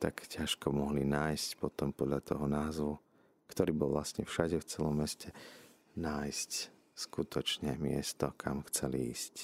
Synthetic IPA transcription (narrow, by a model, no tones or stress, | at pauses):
t̪akcaʃkɔmɔɦlinaːjscpɔt̪ɔmpɔd̪lʎat̪ɔɦɔnaːzʋu | kt̪ɔɾiːbɔlˠʋlast̪ɲɛfʃaɟɛft͡sɛlɔmːɛscʰɛ | naːjsc | skut̪ʰɔt͡ʃɲɛmɪɛ̰st̪ɔkʰamxt͡sɛlḭiːsc